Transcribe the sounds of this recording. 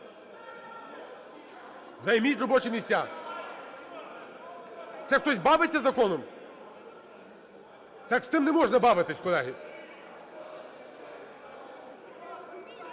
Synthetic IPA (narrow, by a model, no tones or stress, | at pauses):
zɐjmʲitʲɾɔbɔt͡ʃɪmʲisʲtʲa | t̪sɛxt̪ɔsʲbɑʋɪt͡sʲːɐzɐkɔnɔm | t̪ɑkst̪ɪmnɛmɔʒnɐbɑʋɪt̪ɪsʲkɔlˠɛɦi